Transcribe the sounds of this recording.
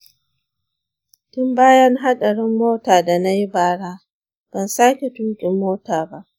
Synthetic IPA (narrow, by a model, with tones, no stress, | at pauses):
tʊ˦mbaː˦jɐ˦ŋɦa˦ɗɐ˨ɽɪ˦mːoː˦taː˨da˨na˦ji˦baː˨ɽaː˦ | b̥ɐ˨nsaː˦kʲe˨tuː˦kʲʼɪ˨mːoː˦taː˨ba˦ʔ